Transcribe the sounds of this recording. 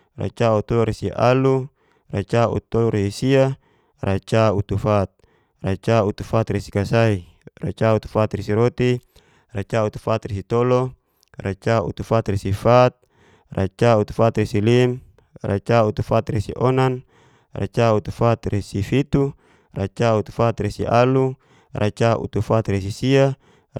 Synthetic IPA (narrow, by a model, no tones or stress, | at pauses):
ra̰t͡ʃaut̪ɔlɔɾesia̰lu | ra̰t͡ʃaṵt̪olɔɾesisia | rʔat͡ʃaut̪ufat̪̚ | rat͡ʃaut̪ufat̪resi̥kasai | ra̰t͡ʃaut̪u̥fat̪resiɾot̪i | rat͡ʃaut̪u̥fat̪resit̪olɔ | ra̰t͡ʃaṵt̪ufat̪resifat̪̚ | rʔa̰t͡ʃaut̪u̥fat̪resilim | ra̰t͡ʃaut̪ufat̪resḭʔɔnan | rat͡ʃaut̪ufat̪resifit̪u | rat͡ʃaut̪u̥fat̪resiʔalu | rʔat͡ʃaʔṵt̪ufat̪resisia